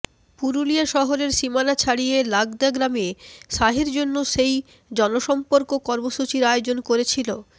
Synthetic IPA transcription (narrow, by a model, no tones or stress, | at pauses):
puɾuliaʃɔɦoɾeɾʃimanat͡ɕʰaɽijelaɡd̪aɡɾamieʃaɦiɾd͡ʑonːoʃej | d͡ʑɔnoʃɔmpoɾkokɔɾmoʃut͡ɕiɾaeod͡ʑonkoɾet͡ɕʰilo